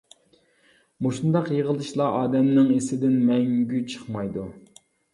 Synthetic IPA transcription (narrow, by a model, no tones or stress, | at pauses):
moʃund̪ɑqjeʁəlˠɨʃlˠɑʔɑːd̪ɛmnɪŋesɪd̪ɪnmɛŋɡʲyt͡ʃʰə̥χmɑjd̪u